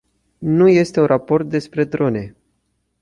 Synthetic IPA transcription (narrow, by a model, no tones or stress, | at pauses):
nuje̞st̪e̞unrapo̞rt̪̚d̪e̞spɾe̞d̪ɾo̞ne̞